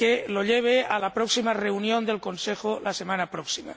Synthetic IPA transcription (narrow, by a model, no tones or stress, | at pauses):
keloʎeβ̞ealapɾoksimareunjõnd̪elko̞nsexolasemãnapɾoksima̰